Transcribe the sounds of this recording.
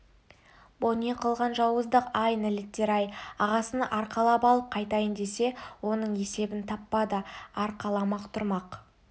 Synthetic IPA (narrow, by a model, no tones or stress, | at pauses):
boneqʰəlˠʁɑnʒɑwəzd̪əqɑjnɪlɪt̪ʲːeɾɑjɑʁɑsənʔɑɾqʰɑlˠɑpɑlˠəp̚qʰɑjt̪ɑjənd̪e̞se̞wo̞nəɴe̞se̞bɪnt̪ʰɑpːɑd̪əɑɾqʰɑlˠɑmɑqt̪ʰʊɾmɑq